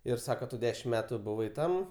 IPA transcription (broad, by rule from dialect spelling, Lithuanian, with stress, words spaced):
ɪr ˈsɑːkoː ˈtʊ ˈdʲæːʃʲɪm ˈmʲæːtʊ bʊˈʋɐɪ ˈtɐm